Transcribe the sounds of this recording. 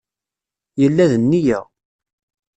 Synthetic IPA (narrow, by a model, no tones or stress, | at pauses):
jəlːæðənːijæʁ